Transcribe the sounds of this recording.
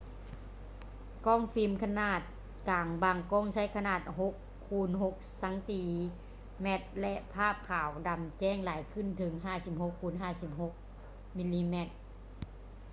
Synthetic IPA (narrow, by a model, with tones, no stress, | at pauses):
kɔː˥˨ŋfi˧mkʰa˧naː˧˩t̪̚ | kaː˨˩ŋbaː˧˩ŋkɔː˧˥˨ŋsa˧˥˨jkʰa˧naː˧˩t̪̚ɦo˧˦kʰːuː˧˥nɦo˧˦k̚sa˨˦ŋt̪iː˧˩ | mɛ˧˥t̪̚lɛ˧ʔpʰaː˥˩p̚kʰaː˨˩wda˨˩mt͡ɕɛː˧˥˩ŋlaː˨˦jkʰɯ˧˥˨nt̪ʰɯ˩˦ŋɦaː˧˥˩si˧˦p̚ho˧˦kʰːuː˧˩˨nɦaː˧˩˨si˧˦p̚ho˧˦k̚ | mi˧˥liː˧mɛ˧˩t̪̚